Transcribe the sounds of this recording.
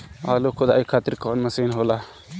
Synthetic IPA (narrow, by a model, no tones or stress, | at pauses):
aːlokʰʊd̪aːikʰaːt̪ɪɾkɔːnmɐsiːnɦoːlaː